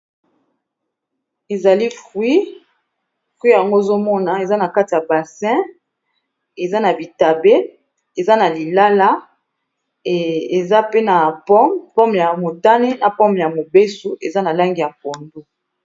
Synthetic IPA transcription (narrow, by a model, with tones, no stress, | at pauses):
e˨za˨li˦fwi˦ | fwi˦ja˨ŋɡo˦e˨zo˦mɔ˦na˨e˨za˦na˨ka˦ti˨ja˨ba˨sɛ̃˦ | e˨za˦na˨bi˨ta˨be˦ | e˨za˦na˨li˨la˦la˦˨ | e˨za˦pe˦na˨pɔ˦mpɔ˦m˨ja˨mo˨ta˦ne˦na˨pɔ˦mbja˨mo˨be˦su˨ʔe˨za˦na˨la˦ŋɡi˨ja˨ko˨ndo˦